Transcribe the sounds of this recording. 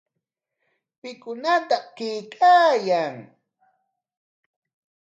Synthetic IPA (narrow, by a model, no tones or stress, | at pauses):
pɪkʊnat̪akɪjkʰʼaːjaŋ